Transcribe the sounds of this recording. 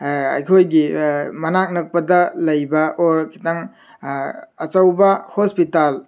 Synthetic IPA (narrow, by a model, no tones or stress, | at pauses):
ɐ̰jkʰojɡimɐnak̚nɐk̚pɐdɐlɐjbɐʔɔɾkʰi̥taŋ | ɐt͡ʃawbɐhospital